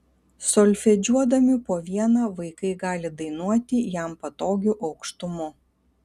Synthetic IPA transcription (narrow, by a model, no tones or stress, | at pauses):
sɔlʲfʲɛd͡ʒʲuɔd̪ɐmʲɪpoːʋʲiɛnɐːʋɐɪkɐɪɡɑːlʲɪd̪ɐɪnuɔt̪ʲɪjæˑmpɐt̪oːɡʲuʔɐʊkʃt̪ʊmʊ